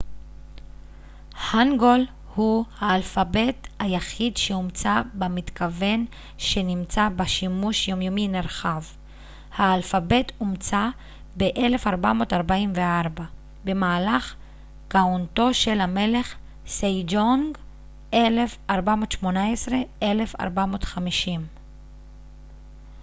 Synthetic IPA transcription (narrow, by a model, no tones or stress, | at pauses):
haŋɡo̞l | huhaːlfabe̞thajaχidʃeumt͡sabemit̪kʰave̞n | ʃe̞nimt͡sabaʃimuʃjo̞mjomineʁχav | haːlfabe̞tʰumt͡sa | be̞ʔe̞le̞faʁbamo̞ːtaʁbaimveaʁba | be̞maːlaχ | kaonto̞ʃe̞lhame̞le̞χ | sejd͡ʒoŋɡ | ʔelefaʁbamo̞ːtʃmo̞naesʁe̞e̞le̞fa̰ʁbamo̞ːtχamiʃim